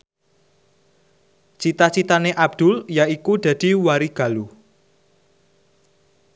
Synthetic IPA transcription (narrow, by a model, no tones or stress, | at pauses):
t͡ʃit̪at͡ʃit̪aneʔab̚d̪̥ʊ̤ljaikud̪̥ä̤d̪̥i̤waɾiɡ̥a̤lu